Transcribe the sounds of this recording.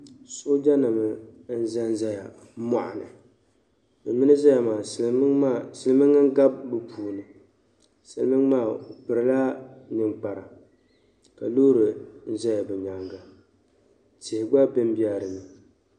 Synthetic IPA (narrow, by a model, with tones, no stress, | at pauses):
so˦d͡ʒa˦na˨mɨ˨n̩˦za˦n˦za˦ja˨˦ | ma̰˨ʔa̰˨nɨ˨ | bɨ˨mːɨ˦nɨ˦za˦ja˨maː˨˦a˦˨sɨ˨lɨ˦mɨ˦ŋa˦ŋ˦ɡa˦bbɨ˨pʰuː˨nɨ˨ | sɨ̰˨lɨ˦mɨ˦ŋ˦maː˦˨k͡pɨ˨ɾɨ˨la˦nɨ˨ŋk͡pa˨ɾa˨ | ka˨lo˦ɾɨ˨n̩˦za˦ja˨bɛ˨ɲa˨ŋɡa˨ | tɪ˨hɪ˨ɡ͡ba˦bɨ˦m˦bi˦a˦ɾɨ˨nɨ˨